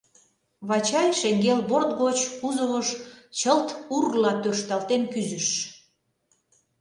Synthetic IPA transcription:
βɑt͡ɕɑjʲʃeŋɡelβort̪ɡot͡ɕkuzəβəʃt͡ɕəlt̪urlɑt̪ørʃt̪ɑlt̪enkyzəʃ

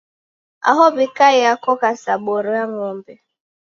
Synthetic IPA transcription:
a̰ɦɔbikajakɔkasaboɾamɔmbe

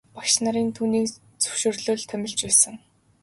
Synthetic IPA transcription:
paʃnaɾiːnt̪ʰuːniːk | t͡sɵ̥wʃɪ̆rɮʊːɮt̪ʰœmʲɪ̆ɮt͡ɕpæːsɘ̆ŋ

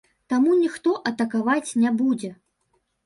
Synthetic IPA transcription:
t̪amunʲixt̪ɔʔɐt̪ɐkavat͡sʲnʲabud͡zʲɛ

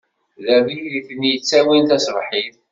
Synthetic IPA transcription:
læmiðiθənjət͡sːæwint̪æsvˤħiθ

